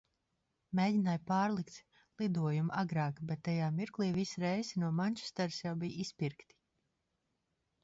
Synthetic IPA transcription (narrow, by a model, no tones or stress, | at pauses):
meːdinajpaːɾlˠikt̪ | lˠid̪uɔjumʔaɡɾaːkbʲɛt̪ːajaːmiɾklˠiːvisɾɛjzinuɔmanʲt͡ʃu̥st̪aɾsjawbijispiɾkt̪i̥